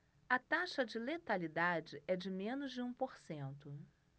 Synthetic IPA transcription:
ɐt̪aʃɐd͡ʒɪlet̪alid̪ad͡ʒɪʔɛd͡ʒɪmẽnʊzd͡ʒɪũpoɾsẽnt̪ʊ

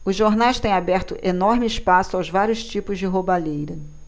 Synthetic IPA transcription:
ʊzʒoɾnajst̪ẽj̃abɛɾt̪ʊʔenɔɾmɪiʃpasʊawzvaɾjʊʃt͡ʃipʊzd͡ʒɪɦobalejɾɐ

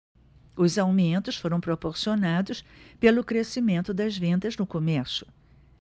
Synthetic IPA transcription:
ʊzawmiẽnt̪ʊsfoɾɐ̃w̃pɾopoɾsionad̪ʊspelʊkɾesimẽnt̪ʊd̪ɐzvẽnd̪ɐznʊkomɛɾsʊ̥

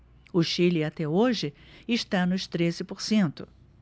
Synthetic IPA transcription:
ʊʃilɪat̪ɛoʒɪ | ɪʃt̪anʊʃt̪ɾezɪpoɾsẽnt̪ʊ

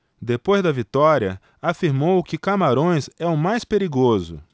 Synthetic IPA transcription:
d̪epojzd̪ɐvit̪ɔɾiɐ | afiɾmowkɪkamaɾõj̃zɛʊmajspeɾiɡozʊ

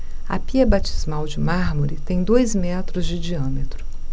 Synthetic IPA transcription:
ɐ̰piɐbat͡ʃizmawd͡ʒɪmaɾmoɾɪt̪ẽj̃d̪ojzmɛt̪ɾʊzd͡ʒɪd͡ʒiɐ̃met̪ɾʊ

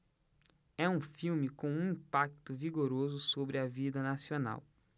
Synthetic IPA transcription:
ɛũfiwmɪkõw̃ũĩpak̚t̪ʊviɡoɾozʊsobɾɪɐvid̪ɐnasiona̰w

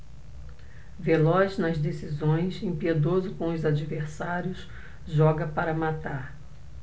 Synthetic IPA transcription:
velɔznɐzd̪esizõj̃sẽpied̪ozʊkõʊzad͡ʒiveɾsaɾjʊs | ʒɔɡɐpaɾɐmat̪aɾ

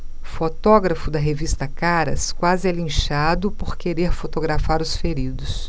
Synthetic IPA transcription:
fot̪ɔɡɾɐfʊd̪ɐɦevist̪ɐkaɾɐ̰skwazɪɛlĩʃad̪ʊpoɾkeɾeɾfot̪oɡɾafaɾʊsfeɾid̪ʊs

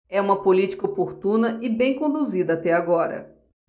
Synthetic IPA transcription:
ɛũmɐpolit͡ʃi̥kɐopoɾt̪ũnɐʔɪbẽj̃kõd̪uzid̪ɐːt̪ɛaɡɔɾɐ̰

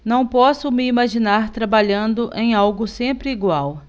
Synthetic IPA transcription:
nɐ̃w̃pɔsʊmɪimaʒinaɾt̪ɾabaʎɐ̃nd̪ʊʔẽj̃awɡʊsẽmpɾɪiɡwaw

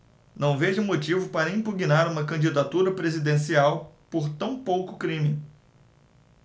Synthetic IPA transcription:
nɐ̃w̃veʒɐʊ̃mot͡ʃivʊpaɾɐĩpuɡinaɾũmɐkɐ̃d͡ʒid̪at̪uɾɐpɾezid̪ẽsiawpoɾt̪ɐ̃w̃powkʊkɾĩmɪ

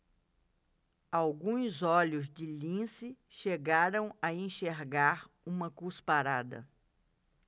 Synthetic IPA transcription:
awɡũzɔʎʊzd͡ʒɪlĩsɪ | ʃeɡaɾɐ̃w̃ɐẽʃeɾɡaɾ | ũmɐkuspaɾad̪ɐ̰

